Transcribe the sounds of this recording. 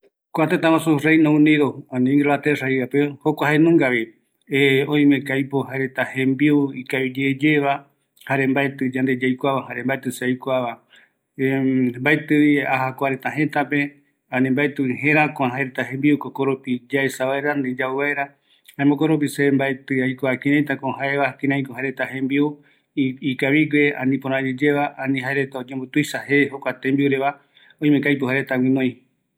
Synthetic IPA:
koat̪et̪ãmãsurejnõũniðoãnĩŋɡɾoat̪eraiapehokʷaɦaenũŋɡaβi | eõĩmekajpohaeɾet̪ahẽmbiuikaβid͡ʒeːd͡ʒeβa | haɾe̞mbaet̪ɨd͡ʒand̪ed͡ʒajkʷaβahaɾe̞mbaet̪ɨseajkʷaβa | mbaet̪ɨiaɦakʷaɾet̪aɦẽt̪ape | ãnĩmbaet̪ɨɦẽɾãkõãɦaeɾet̪aɦẽ̞mbiukokoɾupid͡ʒaesaβaeɾand̪ed͡ʒaeβaeɾa | haemõkoɾup̬isembaet̪ɨajkʷakĩɾãj̃t̪akoɦaeβakĩɾãj̃kohaeɾe̞t̪aɦẽmbiu | ikaβiɡʷeã̰nĩpõɾãd͡ʒed͡ʒeβaʔanĩɦaeɾet̪aod͡ʒẽmbot̪ujʃahehokʷat̪embiuɾeβa | õĩmẽkajp̬ohaɾet̪awĩnõj̃

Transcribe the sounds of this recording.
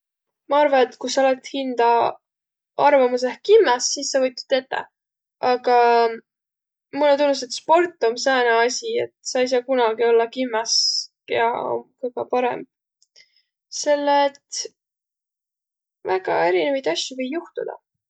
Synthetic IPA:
mɑɑrvɑne̞t̪kusɑolet̪hind̪̥ɑ | ɑrvɑmusehkimːesːisːɑvɤjt̪ːˑu̥t̪ːe̞t̪ːḛ | ʔɑɡ̥ɑ | mulːnt̪unːust̪et̪spo̞rt̪ˑːomsɑːneɑsʲie̞t̪sɑjs̬ɑːkunɑɡio̞lːɑkimːeskeɑo̰mkojkɑpɑɾe̞̰m | se̞lːet̪ | væɡ̥ɑ̰e̞ɾinevɑjd̪̥ɑsʲjuvijːuht̪ud̪̥ɑ̰

